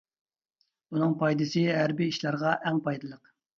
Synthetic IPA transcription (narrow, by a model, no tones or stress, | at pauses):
unɨŋpʰɑjd̪ɨsɨɦæɾbiiʃlˠɑɾʁɑʔɛŋpʰɑjd̪ɨlˠəq